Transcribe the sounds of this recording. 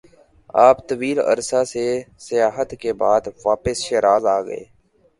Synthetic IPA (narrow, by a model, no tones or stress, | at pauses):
aːpt̪əʋiːlə̰ɾsaːsesɪjaːɦət̪kebaːd̪ʋaːpəsʃeːɾaːzaːɡə̰ḛː